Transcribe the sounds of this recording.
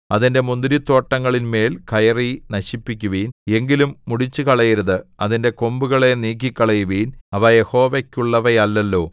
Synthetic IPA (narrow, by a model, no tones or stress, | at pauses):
ɐðinde̞mund̪ɾit̪ːo̞ːʈːɐŋːɐɭinme̞ːlkɐjɐrinɐɕipːikʲːuʋiːne̞ŋɡilumːuɽit͡ɕːɨkɐɭɐjɐɾuðɨɐðinde̞ko̞mbuɣɐɭe̞niːk̬ːikʲːɐɭɐjuʋiːnɐʋɐje̞ho̞ːʋekʲːuɭːɐʋɐjɐlːɐlːo̞ː